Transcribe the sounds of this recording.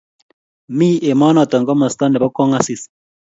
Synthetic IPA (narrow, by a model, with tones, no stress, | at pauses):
mi˦ʔe˨mɔ˦nɔ˨tɔ˨ŋɡɔ˦mɔ˨stɔ˦nɛ˨βɔ˦kɔ˦ŋa˦si˨s